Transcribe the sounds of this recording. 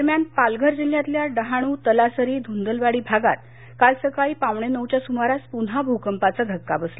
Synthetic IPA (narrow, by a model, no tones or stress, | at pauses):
d̪əɾmjanpalɡʱəɾd͡ʑil̤jat̪ljaɖəɦaɽ̃uːt̪əlasəɾiːd̪ʱund̪əlʋaɽiːbʱaɡa̰t̪̚ | kalsəkaɭiːpaʋɳenəwt͡ɕjasumaɾaspunɦabʱukəmpat͡səd̪ʱəkːabəsl